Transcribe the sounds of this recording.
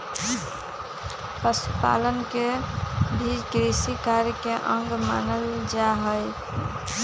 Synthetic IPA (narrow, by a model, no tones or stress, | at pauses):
pəsupa̰lənkebʱid͡ʒkɾisikaɾjkeʔəŋɡma̰nəld͡ʒaɦəj